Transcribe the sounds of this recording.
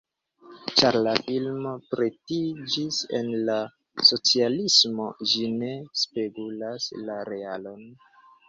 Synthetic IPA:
t͡ʃaɾlafilmo̞pɾetid͡ʒise̞̰nla | so̞t͡sialismo̞d͡ʒine̞speɡulaslaɾe̞alo̞n

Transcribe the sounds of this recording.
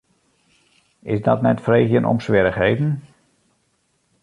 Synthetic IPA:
ɪsdɔtnɛtfrejxjənʔɔ̰msʋɪɾəxɦejdn̩

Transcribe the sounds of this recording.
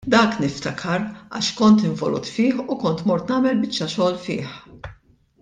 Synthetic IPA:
d̪ɐːknɪft̪ɐkʰɐɾɐ̰ʃkɔnt̪ɪɱvɔlṵːt̪fɪːħukɔnt̪mɔɾt̪nɐːmɛlbɪt͡ʃːɐʃɔːlfɪ̰ːħ

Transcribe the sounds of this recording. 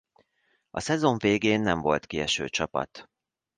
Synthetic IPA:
ɒsɛzo̞ɱveːɡeːnːɛɱvo̞lt̪kiɛʃø̰ːt͡ʃɒpɒ̰t̪

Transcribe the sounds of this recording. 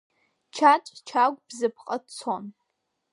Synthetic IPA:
t͡ʃʰat͡ʃʼt͡ʃʰaɡʷbzɨpʰqʼadt͡sʰon

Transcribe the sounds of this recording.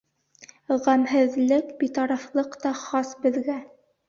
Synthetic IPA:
ʁæmɦɘ̆ðlɘkbit̪ɑɾɑflˠɤqt̪ɑχɑsbɘ̆ðɡæ

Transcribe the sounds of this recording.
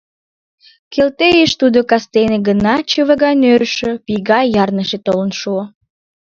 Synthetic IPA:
kelt̪ejeʃt̪ud̪okɑst̪eneɡənɑt͡ɕəβəɣɑjnøɾəʃøpiɣɑjjɑrnəʃet̪olənʃuo

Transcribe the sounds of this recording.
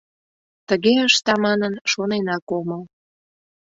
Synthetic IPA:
t̪əɣeəʃt̪ɑmɑnənʃonenɑkoməl

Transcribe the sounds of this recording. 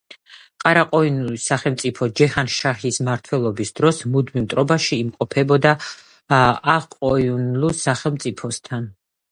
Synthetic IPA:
qʼaɾaqʼɔinulisaχɛlˠmt̪sʼipʰɔd͡ʒɛhanʃahismaɾt̪ʰwɛlˠɔbisd̪ɾɔsmud̪mimt̪ʼɾɔbaʃiːmqʼɔpʰɛbɔd̪a | qʼɔiunlusaχɛlˠmt̪sʼipʰɔst̪ʰan

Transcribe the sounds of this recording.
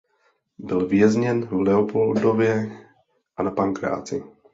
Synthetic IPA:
bɪlvɪjɛzɲɛnvlɛɔpʰɔld̪ovjɛ | ʔanapaŋkɾa̰ːt͡sɪ

